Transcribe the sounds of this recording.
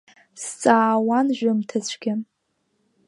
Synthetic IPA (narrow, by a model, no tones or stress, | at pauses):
st͡sʼaːwanʒᶣʷamtʰat͡sʷʰɡ̥ʲɪ